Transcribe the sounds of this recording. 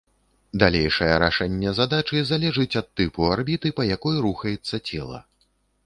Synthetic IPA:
d̪alʲejʂɐjɐɾaʂɛnʲːɛzad̪at͡ʂɨzalʲɛʐɨt͡sʲɐt̪ːɨpuarbʲit̪ɨpɐjakɔjɾuxɐjɛt̪sːɐt͡sʲɛlˠɐ̰

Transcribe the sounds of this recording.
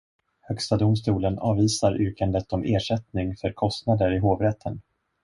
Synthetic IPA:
hœkst̪ad̪ʊmst̪uːlənɑːviːsaɾʔʏːkand̪ət̪ɔmʔeːʂɛt̪nɪŋfœɾkʰɔst̪nad̪əɾɪɦoːvɾɛt̪ʰːən

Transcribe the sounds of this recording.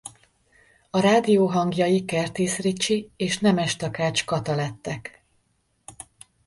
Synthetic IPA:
ɒɾaːd̪ijoːɦɒŋɡjɒjikɛrt̪iːsrit͡ʃːieːʃnɛmɛʃt̪ɒkaːt͡ʃkɒt̪ɒlɛt̪ːɛk

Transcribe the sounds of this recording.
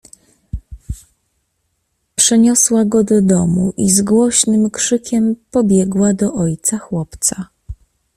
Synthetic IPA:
pʂɛɲɔswaɡɔd̪ɔd̪ɔmuʔizɡwɔɕnɘmkʂɘkʲɛmpɔbʲjɛɡwad̪ɔʔɔjt̪saxwɔpt̪sa

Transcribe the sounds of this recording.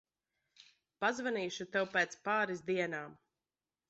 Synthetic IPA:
pazvaniːʃut̪ɛwpɛːt̪spaːɾizd̪iɛnaːm

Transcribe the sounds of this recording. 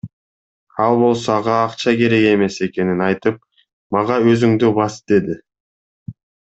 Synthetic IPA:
ɑlˠbo̞lˠsoɑʁɑːqt͡ʃɑke̞ɾe̞ɡe̞me̞se̞ke̞ninɑjt̪ɯp̚ | mɑʁɑøzyŋd̪ybɑsd̪̥e̞d̪ɪ

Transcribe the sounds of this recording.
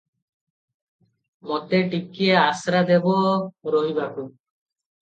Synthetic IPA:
mɔt̪eʈikːijeasɾad̪ebɔɾɔɦibaku

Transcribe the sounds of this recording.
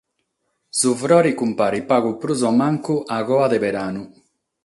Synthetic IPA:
sufɾɔɾikumpaɾipaɣupɾuzɔmaŋkuʔaɣɔad̪ebeɾanu

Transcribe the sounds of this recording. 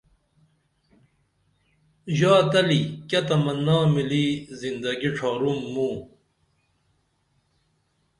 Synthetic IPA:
ʑaːt̪ɐlikɐt̪ɐmɐnːaːmilizind̪ɐɡiʈ͡ʂʰaːɾumːũː

